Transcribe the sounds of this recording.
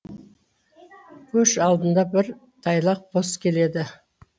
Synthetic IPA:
kʲʰɵʃɑlˠd̪ənd̪ɑbɪɾ | t̪ʰɑjlˠɑq̚bo̞skʲʰe̞le̞d̪ɪ

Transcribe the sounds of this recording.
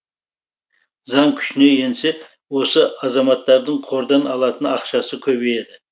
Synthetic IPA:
zɑŋkʲʰʏ̥ʃɪne̞je̞nse̞ | wo̞səɑzɑmɑt̪ːɑɾd̪əɴqʰo̞ɾd̪ɑnɑlˠɑt̪ənɑqʃɑsəkʲʰɵbeje̞d̪ɪ

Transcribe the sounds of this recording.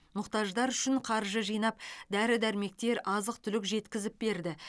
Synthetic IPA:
mʊqt̪ɑʒd̪ɑɾʏʃɪɴqʰɑɾʒəʒijnɑp̚d̪æɾɪd̪æɾme̞k̚t̪e̞ɾɑzəq̚t̪ʰʏlɪkʒe̞t̪kʲɪzɪp̚be̞ɾd̪ɪ

